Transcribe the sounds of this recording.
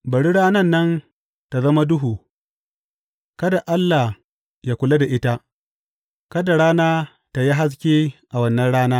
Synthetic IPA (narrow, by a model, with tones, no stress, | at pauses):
bɐ˨ɽi˦ɽaː˦nɐ˦˨nːɐ˦n | ta˨zɐ˦ma˦dʊ˦ɦuː˨ | kɐ˦da˨ʔa˦lːaː˨ | jaː˦kʷʊ˨la˦da˨ʔɪ˦ta˦ | kɐ˦da˨ɽaː˦naː˦ | ta˨ji˦ɦa˦s̬kʲeː˦ʔa˨wɐ˦nːɐ˦nɽaː˦naː˦